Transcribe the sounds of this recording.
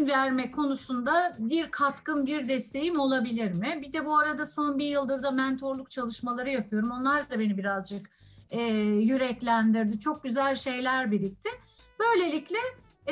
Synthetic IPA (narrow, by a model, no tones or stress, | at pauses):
nvæɾmɛkʰo̞nusund̪abiɾkʰat̪kɯmbiɾd̪ɛst̪ʰe̞jimo̞lˠabilʲiɾmɪbid̪ɛbuaɾad̪aso̞nbiɾjɯlˠd̪ɯɾd̪amɛnt̪ʰo̞ɾlˠuk̚t͡ʃʰalˠɯʃmalˠaɾɯjapʰɯjo̞ɾumo̞nlˠaɾabe̞nibiɾazd͡ʒɯk | ɛːjyɾɛclʲænd̪iɾd̪ɪt͡ʃʰo̞k̚ɟyzælʲʃe̞jlʲæɾbilʲic̚t̪ʰɪ | b̥ø̞jlʲe̞lʲiclʲɛ